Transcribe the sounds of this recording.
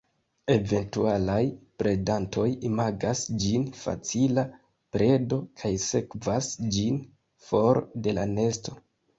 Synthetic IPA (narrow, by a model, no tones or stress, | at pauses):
e̞ve̞ntualajpɾe̞dantʰo̞jimaɡasd͡ʒinfa̰t͡sila | pɾe̞do̞kʰajse̞kvasd͡ʒin | fo̞ɾde̞lane̞sto̞